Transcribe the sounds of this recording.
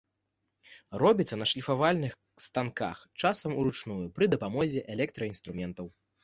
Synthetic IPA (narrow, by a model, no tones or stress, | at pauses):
rɔbʲit̪sːɐnɐʂlʲifavalʲnɨx | st̪anka̰xt͡ʂasɐmuɾut͡ʂnujupɾɨd̪ɐpamɔzʲɛʔɛlʲɛkt̪ɾɐinst̪ɾumʲɛnt̪ɐw